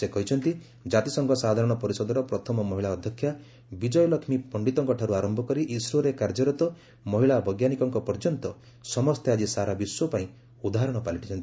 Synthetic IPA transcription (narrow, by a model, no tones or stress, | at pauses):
sekɔɦit͡ʃʰɔnt̪i | d͡ʒat̪isɔŋɡɔsad̪ʱaɾɔɽ̃ɔpɔɾisɔd̪ɔɾɔpɾɔt̪ʰɔmɔmɔɦiɭaɔd̪ʱjɔkʰːja | bid͡ʒɔjɔlɔkʰmipɔɳɖit̪ɔŋkɔʈʰaɾuaɾɔmbʱɔkɔɾiʔisɾoɾekaɾd͡ʒɔɾɔt̪ɔ | mɔɦiɭabɔjɡjanikɔŋkɔpɔɾd͡ʒɔnt̪ɔ | sɔmɔst̪ʰead͡ʒisaɾabiswɔpaĩ | ud̪aɦaɾɔɽ̃ɔpaliʈʰit͡ʃʰɔnt̪i